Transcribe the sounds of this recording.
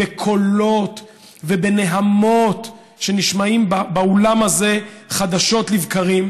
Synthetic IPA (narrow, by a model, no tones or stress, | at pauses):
ekʰo̞lo̞t | ve̞be̞ne̞ɦamo̞t | ʃe̞niʃmaimbabaolamaze̞χad̪aʃo̞tlivkaʁim